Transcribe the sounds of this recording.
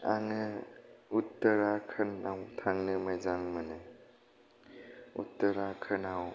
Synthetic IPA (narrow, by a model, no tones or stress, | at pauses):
aŋɯutːəɾakʰɯnawtʰaŋnɯmajzaŋmɯnɯ | ṵtːəɾakʰɯnaw